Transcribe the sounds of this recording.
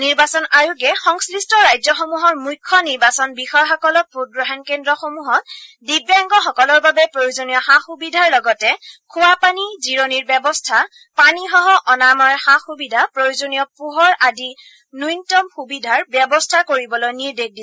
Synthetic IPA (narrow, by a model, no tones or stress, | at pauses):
niɹbasɔnaɹuɡɛxɔŋslistʰɔɹajzɔxomuɦɔɹmujkʰːɔniɹbasɔnbixɔjxɔkɔlɔk̚pudɹɔɦɛnkendɹɔxomuɦɔt̚dibaŋɡɔxɔkɔlɔɹbabɛpɹojuzonijɔxaxubidʱaɹlɔɡɔtɛkʰuwapaniziɹoniɹbjɛbɔstʰa | panixɔɦɔʔɔnamɔɹxaxubidʱapɹojuzonijɔpuɦɔɹadi | nujntɔmxubidʱaɹbjɛbɔstʰakoɹibɔlojniɹdek̚ʰdis